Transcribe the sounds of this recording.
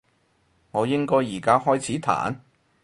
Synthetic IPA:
ŋɔː˨˧jɪ˥ŋkɔː˥jːiː˨˩kaː˥hɔː˥jt͡sʰiː˨˥t̪ʰa̰ː˨˦n

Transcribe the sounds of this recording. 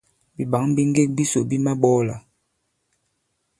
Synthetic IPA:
bi˨ba˨˦ŋbi˦ŋ˦ɡe˦k̚bi˦so˨bi˦ma˦ɓɔ˦la̰˨

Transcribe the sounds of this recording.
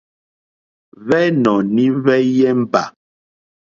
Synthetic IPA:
vɛ˦nɔ˨ni˦vɛ˦jɛ˦m̩˦pa˨

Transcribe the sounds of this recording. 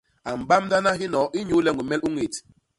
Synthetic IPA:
a˨m̩˨ba˦mda˦na˦ɦi˦nɔ˨˦ʔi˦ɲu˦lɛ˦ŋ˨i˨mɛ˦lu˦ŋe˨t

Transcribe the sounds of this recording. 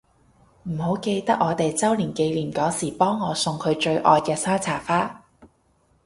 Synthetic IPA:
m̩˨˩ho˨˥wke˧jt̪ɐ˥k̚ʔɔː˨˧t̪e˨jt͡sɐ˥wliː˨˩nke˧jliː˨˩mkɔː˨˥siː˨˩pɔː˥ŋːɔː˨˧sʊ˧ŋkʰɵ˨˧ɥt͡ʃɵ˧ɥʔɔ̰ː˧jkɛː˧sœː˥ŋt͡sʰaː˨˩faː˥

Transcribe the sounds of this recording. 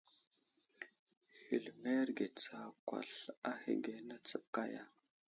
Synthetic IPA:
hi˨lme˦ɾɡe˨t͡sa˦kʷa̰˨ɬa˦hḭ˨ɡe˨na˦t͡sə˦p̚ka˦ja˨

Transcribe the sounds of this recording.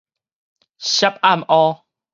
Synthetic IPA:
ɕa˦p̚a˦˥˨mʔɔ˦

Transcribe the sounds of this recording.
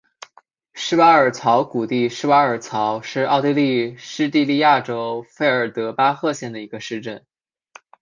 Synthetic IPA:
ʂɻ̩˥wa˥ə˞˨˩t͡sʰɑ˧˥ʊku˨˩t̪i˥˧ʂɻ̩˥˧wa˥ə˞˨˩t͡sʰɑ˧˥ʊʂɻ̩˥˧ɑ˥˧ʊt̪i˥˧li˥˧ʂɻ̩˥t̪i˥˧li˥˧ja˥˩ʈ͡ʂo˥ʊfe˥˩ɪə˞˨˩t̪ɤ˧˥pa˥xɤ˥˧ɕjɛ˥˩nd̪ə˩i˧˥ɡə˧ʂɻ̩˥˧ʈ͡ʂə˥˩n

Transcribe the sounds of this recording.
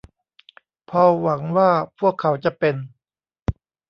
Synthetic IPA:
pʰɔː˧wa˩˦ŋwaː˥˩pʰu˥˩əkʰːa˩˦wt͡ɕa˧˩ʔpe˧n

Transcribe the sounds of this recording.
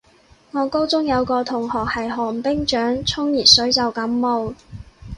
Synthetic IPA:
ŋɔː˨˧ko˥wt͡sʊ˥ŋjɐ˨˧wkɔː˧t̪ʰʊ˨˩ŋhɔː˨k̚hɐ˨jɦɔː˨˩ŋpɪ˥ŋt͡ʃœː˨˥ŋt͡sʰʊ˥ŋjiː˨˩t̚sɵ˨˥ɥt͡sɐ˨wkɐ˨˥mːo˨w

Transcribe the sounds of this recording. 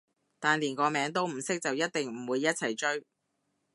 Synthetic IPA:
t̪aː˨nliː˨˩nkɔː˨˧mɛː˨˧˥ŋt̪o˥wm̩˨˩sɪ˥k̚t͡sɐ˨wjɐ˥t̚t̪ɪ˨ŋm̩˨˩wuː˨˧jːɐ˥t̚t͡sʰɐ˨˩jt͡ʃɵ˥ɥ

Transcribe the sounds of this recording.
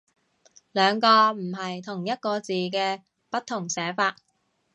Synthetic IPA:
lœː˨˧ŋkɔː˧m̩˨˩ɦɐ˨jt̪ʰʊ˨˩ŋjɐ˥t̚kɔː˧t͡siː˨kɛː˧ | pɐ˥t̚t̪ʰːʊ˨˩ŋsɛː˨˥faː˧t̚

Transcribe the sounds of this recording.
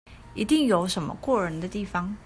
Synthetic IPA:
i˧˥t̪i˥˩ŋjo˨˥ʊʂə˧˥nmə̰˧kwɔ˥˩ɻə˧˥nd̪ə˧t̪i˥˩fɑ˧˥ŋ

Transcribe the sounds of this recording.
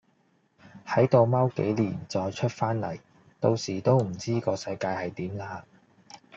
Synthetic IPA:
hɐ˨˥jt̪o˨wmɐ˥wkḛ˨˥jliː˨˩nt͡sɔː˨˧jt͡ʃʰɵ˥t̚faː˥nlɐ̰˨˩j | t̪o˧wsiː˨˩t̪o˥wm̩˨˩t͡siː˥kɔː˧sɐ˧jkaː˧jhɐ˨jt̪iː˨˥mlaː˧˥

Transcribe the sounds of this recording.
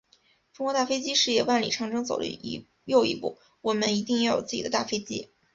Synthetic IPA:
fŋwt̪a˥˩fe˥ɪt͡ɕi˥ʂɻ̩˥˩jɛ˥˩wa˥˩nlḭ˨˩ʈ͡ʂʰɑ˥˩ŋʈ͡ʂɤ˥ŋt͡so˨˩ʊlə̰˧˥˧ | jo˥˩ʊḭ˧˥pṵ˥˩ | wɔ˨˩mə˦ni˧˥t̪i˥˧ŋjɛ˥˩jo̰˨˩t͡sɹ̩˥˩t͡ɕḭ˨˩ə˦t̪a˥˩fe˥ɪt͡ɕḭ˥

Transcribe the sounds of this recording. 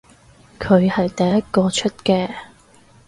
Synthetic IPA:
kʰɵ˨˧ɥhɐ˨jt̪ɐ˨jɐ˥t̚kɔː˧t͡ʃʰɵ˥t̚kɛː˧

